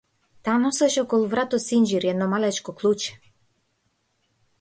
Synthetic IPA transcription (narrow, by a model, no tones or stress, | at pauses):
t̪anɔsɛʃɔkɔlˠuvɾat̪ɔsind͡ʒiɾjɛnɔmalɛt͡ʃkɔklˠut͡ʃɛ̥